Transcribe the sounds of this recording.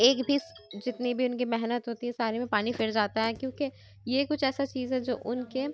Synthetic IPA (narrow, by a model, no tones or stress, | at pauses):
eːkbʱisd͡ʒɪt̪nibʱiʊnkimɛɦnət̪ɦoːt̪iɦɛsaːɾemẽpaːnifɪɾd͡ʒaːt̪aɦɛːkjõːke | jekʊt͡ʃʰɛːsat͡ʃiːzɦɛd͡ʒo̰ːʔʊnke